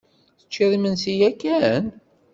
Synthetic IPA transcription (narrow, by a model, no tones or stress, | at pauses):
θə̥t͡ʃːiðˤimənsijækːæn